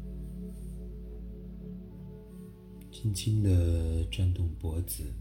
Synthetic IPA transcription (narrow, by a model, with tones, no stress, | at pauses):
t͡ɕi˥nt͡ɕʰi˥nd̪ə˨ʈ͡ʂa˥˧nt̪ʊ˥˩ŋpwɔ˧˥t͡sɹ̩˨˩˦